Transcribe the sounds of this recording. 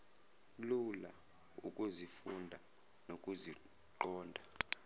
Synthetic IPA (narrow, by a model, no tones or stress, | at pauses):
lula | ṵkʼuzifundʱa | nokʼuzi | ǃɔːndʱa